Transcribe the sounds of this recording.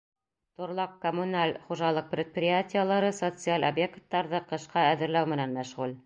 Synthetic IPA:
t̪ŏɾlˠɑqːomʊnalʲχuʒɑlˠɤq̚pɾʲɪt̪̚prʲɪjatʲɪjəlˠɑɾɤsot̪sɨalʲʔobjekt̪ːɑɾðɤqɤ̆ʃqɑæðɘ̆ɾlæwmɘ̆nænmæʃʁul

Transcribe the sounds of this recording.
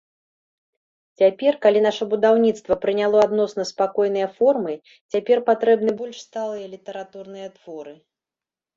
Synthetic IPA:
t͡sʲapʲɛrkalʲinaʂɐbud̪awnʲit̪st̪vɐpɾɨnʲalˠɔad̪nɔsnɐspakɔjn̪ɨjɐfɔrmɨ | t͡sʲapʲɛrpat̪ɾɛbn̪ɨbɔlʲʂst̪alˠɨjɐlʲit̪ɐɾat̪urnɨjɐt̪v̥ɔɾɨ

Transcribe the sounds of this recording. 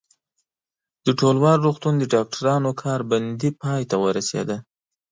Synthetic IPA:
d̪̥əʈolwɑɾːuxt̪und̪əɖɑk̚ʈʰaɾɑnokʰɑɾband̪ipɑjt̪awəɾasḛd̪a

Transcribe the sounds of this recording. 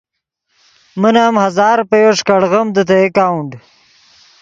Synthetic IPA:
mənaːmhɐzɑːɾpəjoʂkaɽɣəmd̪ət̪̬eekawɳɖ

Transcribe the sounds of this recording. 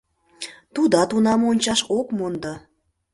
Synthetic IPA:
t̪ud̪ɑt̪unɑmonʲt͡ɕɑʃokmond̪ɑ

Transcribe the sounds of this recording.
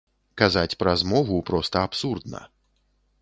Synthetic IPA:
kazat͡sʲpɾazmɔvupɾɔst̪ɐapsurd̪nɐ̰

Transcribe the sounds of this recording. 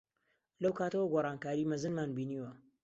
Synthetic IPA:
lɐwkʰaːt̪ɐwɐɡoːrˤɑːnkaːɾiːmɨzɨnmaːnbiːniːwɐ

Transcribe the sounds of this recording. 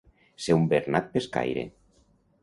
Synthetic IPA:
seumbeɾnat̪̚peska̰jɾḛ

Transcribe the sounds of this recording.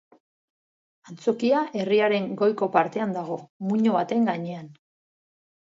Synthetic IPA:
ant͡so̞kiae̞riaɾe̞ŋɡo̞jko̞paɾt̪e̞and̪aɣ̞o̞muɲo̞βat̪e̞ŋɡaɲe̞an

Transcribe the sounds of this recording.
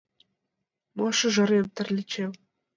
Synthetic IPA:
mɑʃɤ̆ʒɤ̆ɾemt̪ɘ̆rʲlʲɘ̆t͡ɕew

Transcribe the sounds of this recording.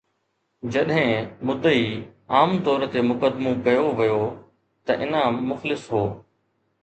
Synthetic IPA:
d͡ʑɐɗɦɪ̃mʊd̪ːəiːaːmt̪ɔːɾt̪emʊkəd̪mõkɐjoʋijo | t̪ɐʔɪnamʊxlɪsɦoː

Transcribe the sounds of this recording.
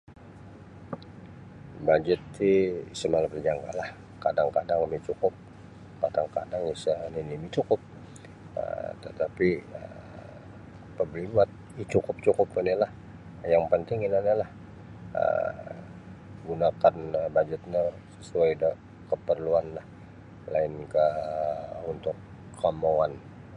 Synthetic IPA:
bad͡ʒət̪siisəmalapərd͡ʒaŋɡa̰lah | kadaŋkadaŋimit͡ʃukʊp̚ | kadaŋka̰daŋisaninimit͡ʃukʊp̚ | ə̰t̪ət̪apiə̰ | pəblimat̪̚it͡ʃukʊp̚t͡ʃukʊpinilah | jaŋpənt̪ɪŋinanalah | ə̰ | ɡunakanəbad͡ʒət̪̚ɲa | səsuajdə | kəpərluanlah | la̰ɪnkə | unt̪ʊkː | amoan

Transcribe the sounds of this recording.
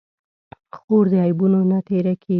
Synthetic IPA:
xoɾd̪əajbunonat̪eɾakʰe

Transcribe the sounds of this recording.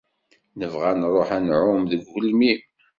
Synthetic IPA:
nəvʁænɾˤoħænʕʊmðəɡːʊlmi

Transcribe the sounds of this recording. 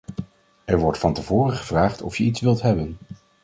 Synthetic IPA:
ɛɹʋɔɹtfɑntəvʊːrəχəv̥raːχtɔfjəitsʋɪlˠtɦɛbən

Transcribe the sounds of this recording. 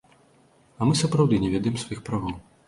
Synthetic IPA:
ɐmɨsɐpɾawd̪ɨnʲɛvʲɛd̪ɐjɛmsvajixpɾavɐw

